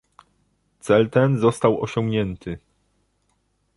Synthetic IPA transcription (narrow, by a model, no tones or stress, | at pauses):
t̪sɛlt̪ɛnzɔst̪awɔ̰ɕɔ̃ŋɡɲɛnt̪ʰɘ